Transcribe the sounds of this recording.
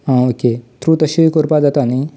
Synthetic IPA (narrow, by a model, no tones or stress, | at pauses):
ãːoːket̪ɾuːt̪ɐʃiikoɾpad̪at̪ani